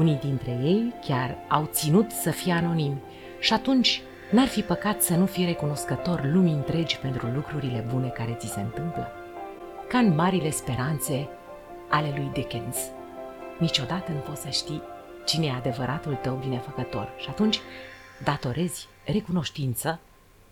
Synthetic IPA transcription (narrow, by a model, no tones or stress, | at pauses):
unijd̪int̪ɾe̞je̞jkʲarawt̪sinut̪səfijeano̞nim | ʃiat̪unt͡ʃʲ | narfipəkat̪sənufire̞kuno̞skət̪o̞rlumiɨnt̪ɾe̞d͡ʒʲpe̞nt̪ɾulukɾuɾile̞bune̞kaɾe̞t̪sise̞nt̪ɨmplə | kanmaɾile̞spe̞ɾant̪se̞ | ale̞lujd̪ekens | nit͡ʃo̞d̪at̪ənuvosəʃt̪i | t͡ʃinead̪e̞vəɾʔat̪ult̪əwbine̞fəkət̪o̞̰rʃiat̪unt͡ʃʲd̪at̪o̞ɾʔe̞zʲ | re̞kuno̞ʃt̪int̪sə